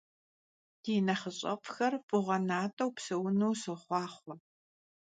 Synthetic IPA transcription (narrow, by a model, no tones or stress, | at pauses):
d̥iːnɐχəɕʼɐ̰pʼxɐrfʼʊʁɐnaːtʼɐwpsɐwʊnuwsɨχʷɑːχʷɔ